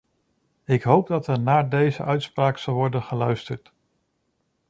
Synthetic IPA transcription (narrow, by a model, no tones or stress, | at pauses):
ɪkɦowb̚dɑtɛɹnaːdejzəʔœɥtspraːksɑlˠʋɔɹdənχəlœɥstəɹt